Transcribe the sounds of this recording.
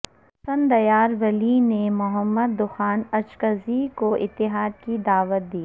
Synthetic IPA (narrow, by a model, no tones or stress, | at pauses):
sɐ̃nd̪ɐjaːɾʋɐlinemʊɦəmːəd̪ːʊxaːnɐt͡ʃkəzikoʔɪt̪ːɪɦaːd̪̚kid̪aːʋət̪̚d̪iː